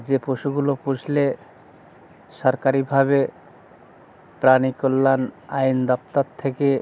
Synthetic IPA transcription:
d͡ʑepɾoʃuɡulopud͡ʑle | ʃɔɾkaɾibʱaβe | pɾanikɔlːanajnd̪ɔp̚t̪at̪ʰːeke

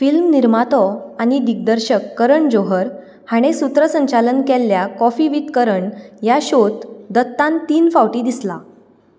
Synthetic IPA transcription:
filmniɾmat̪ɔaɽ̃id̪ik̚d̪əɾɕəkːəɾəɳd͡ʑoɦəɾ | haɽ̃esut̪ɾəsəɲt͡ɕalənkelːjakɔfiʋit̪kəɾəɳjaɕot̪d̪ət̪ːãnt̪iːnfawʈid̪isla

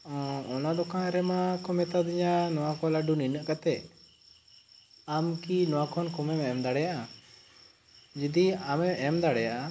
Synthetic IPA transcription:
ɔɔnad̪ɔkãɾɛmakɔmɛt̪ad̪iɲanɔwakɔlaɖuninəʔkat̪ɛʔ | amkinɔwakʰɔnkɔmɛmɛmd̪aɽɛjaʔa | d͡ʒid̪iamɛɛmd̪aɽɛjaʔa

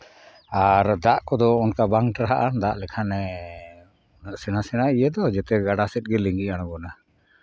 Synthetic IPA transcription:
aɾd̪aʔkɔd̪ɔɔnkabaŋʈɾaɦaʔand̪aʔlɛkʰanɛ | ɔnəʔsɛnasɛnaijɛd̪ɔd͡ʒɛt̪ɛɡaɖasɛt̪̚ˀɡɛliŋɡiaɽ̃ɔɡɔna

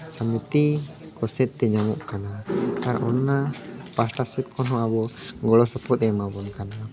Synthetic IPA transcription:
samit̪i | kɔsɛt̪̚ːɛɲamɔʔkanat̪aɾʔɔnːapasʈasɛt̪̚kʰɔnɦɔ̃abɔɡɔɽɔsɔpʰɔt̪̚ɛmabɔnkana

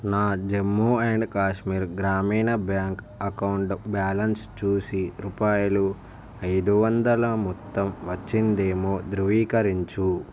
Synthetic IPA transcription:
naːd͡ʒemːueɳɖkaːʃmiːɾɡɾaːmiːnɐbjaːŋk | ɐkɐwɳɖbjaːlɐnst͡ʃuːsiɾupaːjulu | ɐjd̪uʋɐnd̪ɐlɐmɔt̪ːɐmʋɐt͡ʃːind̪e̞ːmoːd̪ɾuʋiːkɐɾiɲt͡ʃu

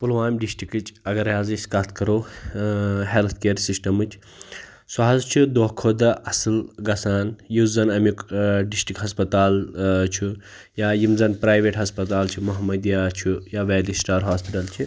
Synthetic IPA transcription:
pulʋaːmʲɖisʈikɨt͡ʃʼɐɡɐɾjaːzɨskɐt̪ʰkɐɾoː | ɦelt̪ʰkeɾsisʈɐmɨt͡ʃʰ | suɦɐzt͡ʃʰid̪oɦkʰoːd̪ɐʔɐsɨlɡɐsaːnjuzɐnɐmikɖisʈikɦɐspɐt̪aːlt͡ʃʰu | jajimzɐnpɾaːjʋeʈɦɐspɐt̪aːlt͡ʃʰimuɦɐmɐd̪jat͡ʃʰujaːʋeːlisʈaːɾɦaːspiʈɐlt͡ʃʰi

